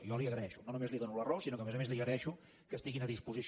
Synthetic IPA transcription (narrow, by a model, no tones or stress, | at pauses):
jɔliəɣɾəɛʃunonumezliðonulərosinokəmezəmezliəɣɾəɾɛʃu | kəst̪iɣinəðispuzis